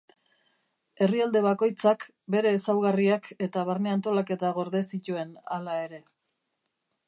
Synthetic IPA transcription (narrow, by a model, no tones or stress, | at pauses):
e̞riald̪e̞βako̞jt͡sak | be̞ɾe̞ːsawɣariakʰe̞t̪aβ̞aɾneant̪o̞lake̞t̪aɣo̞ɾðesit̪ue̞nalae̞ɾe̞